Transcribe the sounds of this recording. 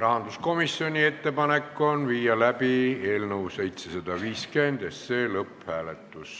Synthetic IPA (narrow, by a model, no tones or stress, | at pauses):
rɑɦɑnd̪̥usko̞misːio̞nʲie̞t̪ːe̞pɑnekːo̞nviːjɑlæpie̞ːlnəwse̞jt̪sesɑd̪ɑʋiːske̞nd̪̥esːe̞ːlɤphæːlet̪ːus